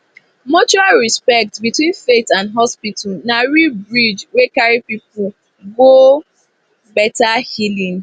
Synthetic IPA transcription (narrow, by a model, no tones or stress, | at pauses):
mot͡ʃualɹispɛk̚tbitwĩnfetãndɦɔspitʰalnaɹibɹid͡ʒwekaɹipipʊ | ɡo | bɛtahilĩŋ